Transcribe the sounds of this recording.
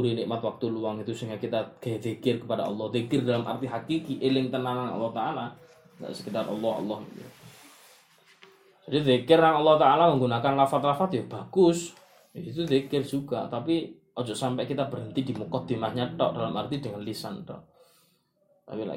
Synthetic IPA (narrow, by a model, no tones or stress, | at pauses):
uɾinɪʔmat̪̚wak̚t̪uluwaŋit̪usəŋjakit̪aɡ̥aðekɪrkəpadaɔ̰lːɔhd̪ekɪrdalamʔa̰rt̪iɦakikiʔelɪŋt̪ənaŋaŋɔ̰lːɔht̪aala | ŋɡa̰ʔsəkit̪arʔɔ̰lːɔhɔ̰lːɔhḭt̪ṵ | d͡ʒ̥adiðekɪrjaŋɔlːɔht̪aʔalaməŋɡunakanlafat̪̚lafat̪jab̥aɡ̥ʊs | it̪uðekɪrd͡ʒuɡa̰t̪api | ɔd͡ʒɔʔsampɛʔkit̪ab̥əɾənt̪id̥imukɔd̪̥emahɲaʈɔ̰ʔd̥alama̰rt̪idəŋanlisantɔ̰ | t̪a̰pila̰